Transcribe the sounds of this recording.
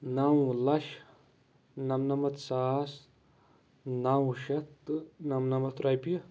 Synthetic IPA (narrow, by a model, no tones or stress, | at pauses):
nawlɐʃ | nɐmnɐmɐt̪saːs | nawʃɐt̪ːɨnɐmnɐmɐt̪ɾajpiɐ